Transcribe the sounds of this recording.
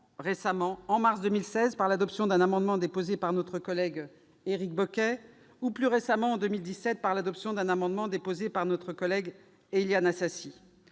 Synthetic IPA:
ʁesamɑ̃ɑ̃maʁsd̪ømilsɛzpaʁlad̪ɔpsjɔ̃d̪ɛ̃namɑ̃d̪mɑ̃d̪epozepaʁnɔt̪χəkɔlɛɡ | eʁik̚bɔkʲɛ | uplyʁesamɑ̃ːd̪ømild̪isːɛt̪̚paʁlad̪ɔpsjɔ̃d̪ɛ̃namɑ̃d̪mɑ̃d̪epozepaʁnɔt̪χəkɔlɛɡ | eljanasasi

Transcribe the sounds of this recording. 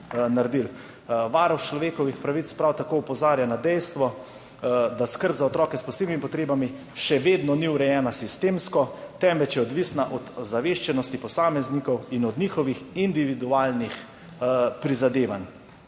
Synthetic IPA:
naɾd̪il | ʋaːɾɔwt͡ʃlɔʋeːkɔʋixpɾaʋit̪spɾawt̪akoːupɔzaːɾjanad̪ɛjst̪ʋɔ | d̪askəɾbzaɔt̪ɾɔːkɛspɔseːbnimipɔt̪ɾeːbami | ʃɛʋeːd̪nɔniwɾɛjɛːnasist̪eːmskɔt̪ɛmʋɛt͡ʃjɛɔd̪ʋisnaʔɔd̪zaʋeːʃt͡ʃɛnɔst̪ipɔsaːmɛznikɔwinɔd̪nixɔʋixind̪iʋid̪uaːlnix | pɾizad̪eːʋan

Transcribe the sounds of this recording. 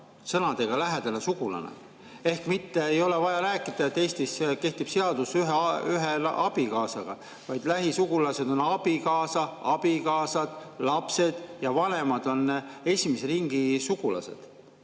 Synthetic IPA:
sɤnɑd̪̥e̞ɡ̥ɑlæɦed̪̥ɑnesuɡ̥ulɑ̰nḛ | e̞hkmit̪ːe̞ːjo̞le̞vɑjɑɾæːkːˑid̪̥ɑet̪ːe̞ːst̪iseke̞ht̪ib̥se̞ɑd̪̥usyɦeyɦel̰ʔɑb̥ikɑːsɑɡ̥ɑ̰ | vɑjd̪læɦisuɡulɑse̞d̪̥o̞nɑb̥ikɑːsɑɑb̥ikɑːsɑd̪̥lɑpse̞d̪̥jɑvɑne̞mɑd̪̥o̞nːe̞sʲimese̞ɾiŋɡ̥isuɡ̥ulɑ̰sḛd̪̥

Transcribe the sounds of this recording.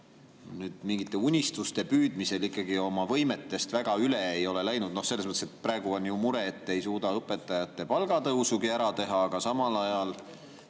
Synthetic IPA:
nyːd̪̥miŋɡ̥it̪ˑːe̞unʲist̪ust̪e̞pyːd̪̥mise̞likːˑɑɡio̞mɑvɤ̞jme̞t̪ːe̞st̪væɡ̥ɑyleejo̞le̞læjnud̪̥̚no̞hselːs̬mɤət̪ːeset̪præeɡ̥uo̞njumuɾe̞ːt̪ːe̞jsuːd̪ɑɤpːˑe̞t̪ːˑɑjɑt̪ːˑe̞pɑlɡ̥ɑt̪ɤwsuɡiæɾɑt̪e̞ɦɑːɡ̥ɑsɑmɑlɑjɑl

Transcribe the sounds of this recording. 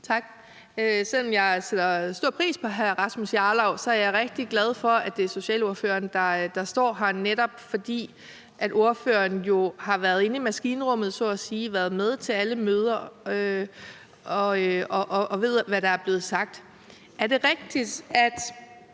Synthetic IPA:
t͡sʰɑ̈ɡ̥ | øsel̰ɒ̽mjɑ̈ɪsed̥ɐsd̥o̝ɐ̰pʰʁḭːspʰɒ̽ɦæʁɑ̈smusjɑ̈ːlɑ̈ʊ̰sɒ̽æɐjɑ̈ɪʁeɡ̥̚d̥iɡ̥lɛð̞ˠfɒ̽æd̥d̥e̝so̝ɕɛ̰ːlo̝ɐfø̰ːɐnd̥ɑ̈d̥ɑ̈sd̥ɒ̰ːɦɑ̈neɾ̥ɒ̽b̥fɒ̽d̥ḭː | ʔæd̥o̝ɐfø̰ːɐnjo̝hɑ̈ʋæɐðˠe̝nimæsɡ̥iːnəʁɔ̽mð̞̩ˠsɔ̰ːæsiːʋæɐð̞̩ˠmeð̞ˠt͡sʰe̝læləmøːð̞ˠɐø | ɒ̽ɒʔʔʋe̝ð̞̰ˠʋæɾ̥ɑ̈æɐb̥le̝ːð̞̩ˠsɑ̈ɡ̥̚d̥ | ʔæɐɾ̥e̝ʁɛɡ̥̚d̥id̥æd̥

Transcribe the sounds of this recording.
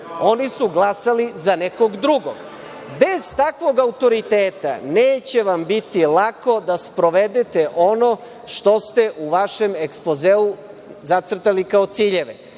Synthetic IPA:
o̞nisuɡlˠasalizaneko̞ɡd̪ɾuɡoɡ | be̞z̥t̪akʋo̞ɡaut̪o̞ɾit̪eːt̪a̰neːt͡ɕe̞ʋambit̪ilako̞d̪aspɾo̞ʋed̪et̪eʔo̞no̞ | ʃt̪o̞st̪e̞ʔuʋaʃe̞me̞kspozeu | zat̪sr̩t̪alikao̞t̪siːʎe̞ʋe

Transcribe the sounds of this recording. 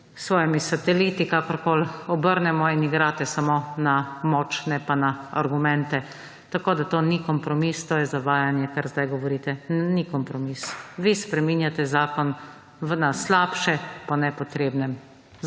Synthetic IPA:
sʋɔːjɛmisat̪ɛliːt̪ikakɔɾkoːlɔbəɾnɛmɔiniɡɾaːt̪ɛsamonamɔːt͡ʃnɛpanaaɾɡumɛnt̪ɛ | t̪akoːd̪at̪oːnikɔmpɾɔmist̪oːjɛzaʋaːjanjɛkaɾzd̪ajɡɔʋɔɾiːt̪ɛnikɔmpɾɔmisʋispɾɛminjat̪ɛzaːkɔn | ʋnaslaːpʃɛpɔnɛpɔt̪ɾeːbnɛm

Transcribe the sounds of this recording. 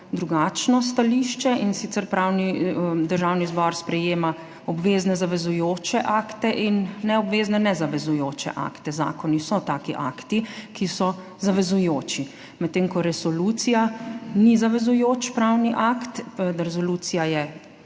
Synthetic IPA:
d̪ɾuɡaːt͡ʃnɔs̬t̪aliʃt͡ʃɛinsit̪sɛɾpɾawnid̪əɾʒaːwnizbɔɾspɾɛjeːma | ɔbʋeːznɛzaʋɛzujoːt͡ʃɛʔaːkt̪ɛʔinːɛɔbʋeːznɛnɛzaʋɛzujoːt͡ʃɛ̰ʔa̰ːkt̪ɛza̰ːkɔnisɔt̪aːkiʔa̰kt̪ikisɔ | zaʋɛzujoːt͡ʃi | mɛt̪ːeŋkɔɾɛsɔlut̪sijanizaʋɛzujoːt͡ʃpɾawniʔakt̪ɾɛsɔluːt̪sijajɛ

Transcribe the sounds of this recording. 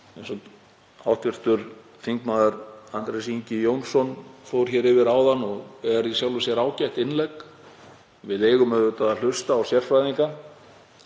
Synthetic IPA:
ɛnsɔt̪ | awht̪vɪr̥t̪ʏɾ̥ | fiŋkmaːðʏɾant̪ɾɛsiɲcɪjownsɔnfowɾ̥çɛːɾɪvɪɾaːwðanːɔɣɛɛɾðisjawlʏsjɛɾaːwcaht̪ɪnlɛk | vɪðeːjɣʏmɛðʏt̪aðal̥ʏst̪aːwsjɛr̥fɾajðiŋka

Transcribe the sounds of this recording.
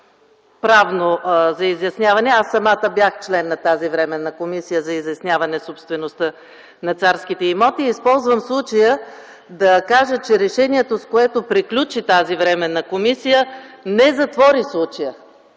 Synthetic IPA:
pɾavnozɐizjɐsnʲjavɐnɛasːɐmat̪əbjaxt͡ʃlɛnːɐt̪azivɾɛmɛnːɐkomisijəzɐizjɐsnʲavɐnɛsopst̪vɛnost̪ə | nɐt̪saɾskit̪ɛimɔt̪iːspɔlˠzvəmslˠut͡ʃəjə | d̪ɐkaʒət͡ʃɛɾɛʃɛniɛt̪oskoɛt̪opɾiklʲut͡ʃit̪azivɾɛmɛnɐkomisijənɛzɐt̪vɔɾislˠut͡ʃəjə

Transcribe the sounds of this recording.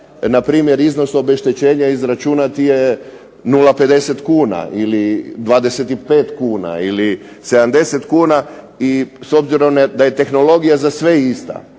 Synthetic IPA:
napɾiːmje̞ɾizno̞so̞be̞ʃt̪et͡ɕe̞ːɲaizɾat͡ʃuːnat̪ije | nulˠape̞d̪eset̪kuːna̰ʔilid̪ʋaːd̪e̞set̪ipe̞ːt̪kuːna̰ili | se̞d̪and̪e̞se̞t̪kuːna | iso̞bziɾo̞md̪aje̞t̪e̞xno̞lo̞ɡijazasʋe̞ist̪a̰

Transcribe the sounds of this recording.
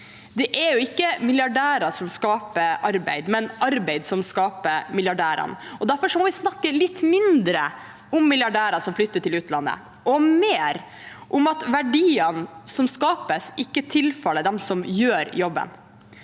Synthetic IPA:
d̪ɛʔɛɾjʊɪkːəmɪljɑɖæːɾɑsɔmskɑːpəʔɑɾbæ̰ɪd̪mɛnɑɾbæɪd̪sɔmskɑːpəmɪljɑɖæːɾɑ̰nɔd̪æɾfɔʂɔmɔʋɪsnɑkːəlɪt̪ːmɪnd̪ɾə̰ | ʊmːɪljɑɖæːɾɑsɔmflʏt̪ːəʈʰɪlʉːt̪lɑnːə̰ | ʔɔmeːɾ | ʔʊmɑt̪ʋæɖiːənsɔmskɑːpəsɪkːət̪ʰɪlfɑlːəd̪ɛmsɔmjøːɾjɔbːə̰n

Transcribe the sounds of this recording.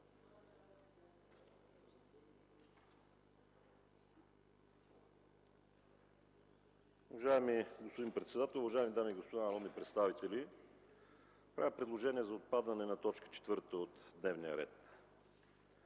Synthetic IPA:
uvɐʒaɛmiɡospod̪inpɾɛt̪sɛd̪at̪ɛlˠuvɐʒaɛmid̪amiːɡospod̪anɾɔmipɾɛt̪st̪avit̪ɛli | pɾa̰vʲəpɾɛd̪lˠoʒɛniɛzɐot̪̚pad̪ənɛnɐt̪ɔt͡ʃkə̥t͡ʃɛ̥t̪vɤɾt̪əot̪d̪nɛvnijəɾɛ̰t̪

